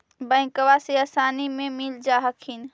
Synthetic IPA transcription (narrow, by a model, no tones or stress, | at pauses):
bə̃ɪ̃kəwaseaːsaːnimẽmild͡ʒaːɦəkʰin